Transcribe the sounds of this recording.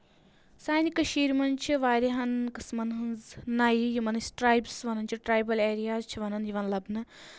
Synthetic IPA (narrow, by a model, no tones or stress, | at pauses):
saːnikɐʃiːɾʲmɐnt͡ʃʰiʋaːɾeɦɐnkɨsmɐnɦɨnznajjimɐnɨsʈɾaːjbsʋɐnɐnt͡ʃʰiʈɾaːjbɐleːɾijaːt͡ʃʰiʋɐnɐnjiʋɐnlɐbnɨ